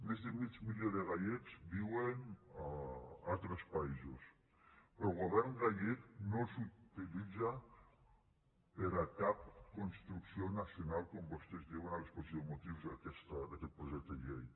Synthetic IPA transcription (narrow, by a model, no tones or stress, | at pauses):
mezðemit͡ʃmiʎeðeɣaʎekzbiwen | alt̪ɾespaizus | pɾɔɣoβɛɾŋɣaʎeknosut̪ilid͡za | peɾakap̚konst̪ɾuksionasjonalkombost̪ezdiwenalsposiðomot̪iwzðakest̪ad̪akɛt̪̚pɾoʒet̪eʎej